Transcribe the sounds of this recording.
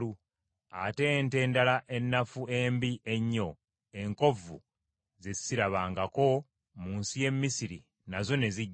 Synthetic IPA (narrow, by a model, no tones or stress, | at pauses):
u | ate̞nte̞ːndalaʔe̞nːafue̞mbiʔe̞ɲːo̞ | e̞ŋko̞vṵ | zezi̥siɾaβaːŋɡako̞ | muːnsije̞mːisiɾi | nazo̞ne̞zi